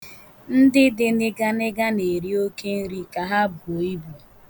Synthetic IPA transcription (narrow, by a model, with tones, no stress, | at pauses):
n̩˦dɪ˦dɪ˦nɪ˦ɡa˦nɪ˦ɡa˦ne˨ɾi˦o˦ke˦n̩˦ɾi˦ka˨ɦa˦bu˨o˨i˦bu˨